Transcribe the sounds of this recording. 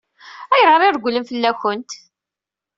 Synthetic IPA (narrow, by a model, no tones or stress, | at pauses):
æjʁəɾˤiɾəɡʷləmfəlːæçənt̪